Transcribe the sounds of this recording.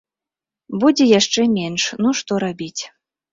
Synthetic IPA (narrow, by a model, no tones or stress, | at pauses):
bud͡zʲɛjaʂt͡ʂɛmʲɛnʂnuʂt̪ɔɾabʲit͡sʲ